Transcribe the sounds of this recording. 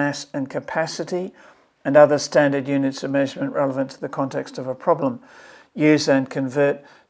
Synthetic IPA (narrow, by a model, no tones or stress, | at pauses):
æsɨ̃nkʰɨpʰæsɨɾi | ɨ̃nʌðə˞stæ̃ndə˞djʉnɨtsəvmɛʒəmɨ̃nʔɹɛlˠəvə̃ntʰəðɨkʰɑ̃ntʰɛkstʌvəpʰɹ̥ɑblə̃m | jʉzɨ̃nkʰɨ̃ɱvɜ˞t̚